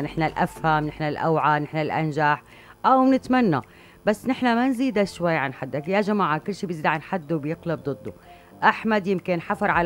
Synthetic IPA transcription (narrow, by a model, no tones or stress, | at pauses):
nɪħnalʔafhamnɪħnalʔawʕanɪħnalʔa̰nʒaħ | ʔawnɪt̪manːa | basːnɪħnamanziːd̪aʃwajːʕanħad̪ːakjaʒamaːʕakʊlːʃiːbjɪziːd̪ʕanħad̪ːubjɪqlab̚d̪ˤɨd̪ˤːu | ʔaħmad̪jɪmkɪnħafɑɾˤʕal